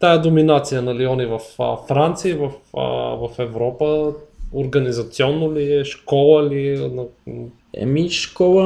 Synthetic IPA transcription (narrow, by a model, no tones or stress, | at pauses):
t̪ajəd̪ominat̪sijənɐliɔnivɐffɾant̪siivɐfvɐfɛvɾɔpəoɾɡɐnizɐt̪siɔnːoliɛʃkɔlˠəliɛnɐ | ɛ̰miʃkɔlˠə